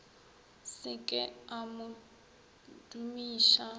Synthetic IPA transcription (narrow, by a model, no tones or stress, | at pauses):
sɪkʼɪamʊ | dumiːʃa